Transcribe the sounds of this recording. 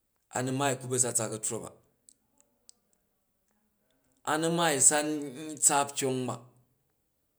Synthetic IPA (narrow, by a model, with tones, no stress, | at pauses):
a̰˨ni˦ma˦i˨ku˦be˦s̬a˦˧t͡sa˧kɐ˨to˦ba̰˨ | a̰˨nu˦ma˦i˨sa˦n˦t͡sa˦pt͡ʃʲo˦ŋ˦ba̰˨